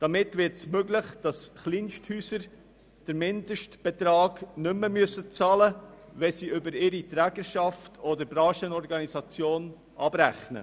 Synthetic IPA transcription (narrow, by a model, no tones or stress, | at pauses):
d̥ɑmɪtʋɪɾtsmøɡlɪχd̥ɑsχlinʃthyːsəɾ | d̥əɾmɪndəʃtb̥ɛt̪ɾɑːɡnʏməmyəsət͡sɑlə | ʋɛsiʏbəɾɪɾitɾæːɡəɾʃɑftʰɔdəɾbɾɑːʃənɔɾɡɑnisɑt͡sjoːn | ʔɑb̥ɾæχnə̰